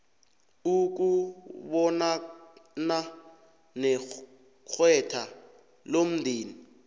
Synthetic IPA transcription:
uk̬uɓɔnana | nɛ | k͡xʰwɛtʰa | lom̩dʱiːni

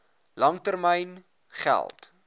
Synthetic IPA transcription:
lɐŋtərməjn | χæ̰lˠt

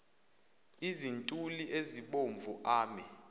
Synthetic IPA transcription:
izintʼulieziɓoɱvʱuʔaːmɛ

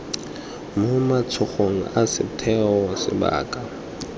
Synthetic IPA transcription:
mʊmat͡sʰʊχoŋ̩asɪtʰɛɔsɪ̰ba̰ːkʼa

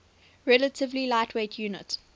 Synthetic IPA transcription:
ɹɛlətʰɪvlilaɪtʰweɪtʰjuːnɪ̰t

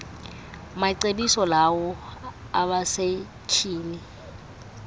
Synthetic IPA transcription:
maǀebisɔlawɔ | aβase | t͡ʃʰiːni

